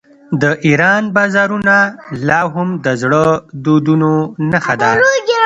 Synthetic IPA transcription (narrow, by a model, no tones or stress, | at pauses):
d̪əʔiɾɑnbɑzɑɾunalɑɦʊmd̪əzɽəd̪od̪unonaxad̪a